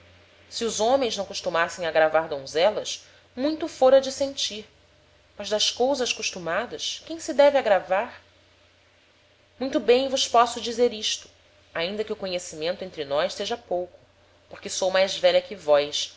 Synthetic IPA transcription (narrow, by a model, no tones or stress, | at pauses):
siʊzõmẽj̃znɐ̃w̃kuʃt̪umasẽj̃ɐɡɾavaɾd̪õw̃zɛlɐʃ | mũj̃t̪ʊfoɾɐd͡ʒɪsẽnt͡ʃiɾ | mɐzd̪ɐʃkowzɐʃkuʃt̪umad̪ɐʃkẽj̃sɪd̪ɛvɪaɡɾavaɾ | mũj̃t̪ʊbẽj̃vʊʃpɔsʊd͡ʒizeɾiʃt̪ʊ̥ | aĩnd̪ɐkɪʊkoɲesimẽnt̪ʊẽnt̪ɾɪnɔjʃseʒɐpowkʊ̥ | poχkɪsowmajzvɛʎɐkɪvɔjs